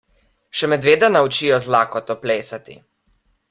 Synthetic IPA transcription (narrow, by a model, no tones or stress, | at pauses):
ʃɛmɛd̪ʋeːd̪anaut͡ʃijɔzlaːkɔt̪ɔpleːsat̪ḭ